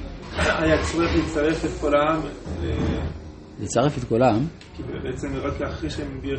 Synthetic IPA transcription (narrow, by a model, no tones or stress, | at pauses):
aajat͡sʁieχlit͡saʁefet̪kolamlḛ | lit͡saʁefet̪kolaam | kibebeet͡semiʁot̪leaχʁeʃeembi